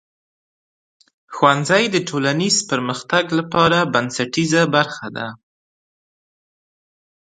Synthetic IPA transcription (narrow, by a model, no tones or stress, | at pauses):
xwanzajd̪əʈʰolanizpəɾməxt̪aɡlapɑɾabansaʈizabaɾxad̪a̰